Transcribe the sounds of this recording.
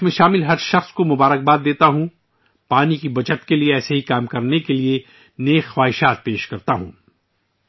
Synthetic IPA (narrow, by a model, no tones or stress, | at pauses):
mẽʃaːmɪlɦɐɾʃɐxskomʊbaːɾək̚baːd̪ːeːt̪aɦũ | paːnikibɐt͡ʃət̪kelieɛːseɦikaːmkɐɾnekelie | neːxxwaːɦɪʃaːt̪̚peːʃkɐɾt̪aɦṵ̃ː